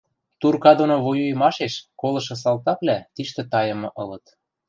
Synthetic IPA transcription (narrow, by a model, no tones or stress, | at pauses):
t̪urkɑd̪onoβojujmɑʃeʃkolɤ̆ʃɤ̆s̬ɑlt̪ɑplʲæt̪iʃt̪ĕt̪ɑjɤ̆mɤ̆ʔɤlɤ̆t̪